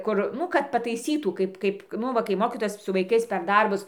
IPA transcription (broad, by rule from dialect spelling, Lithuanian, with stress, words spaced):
ˈkʊr ˈnʊ kɐt pɐtɐɪˈsʲiːtuː ˈkɐɪp ˈkɐɪp ˈnʊ ʋɐ kɐɪ ˈmoːkʲiːtoːjɛs sʊ ʋɐɪˈkɐɪs pʲɛr ˈdɐrbʊs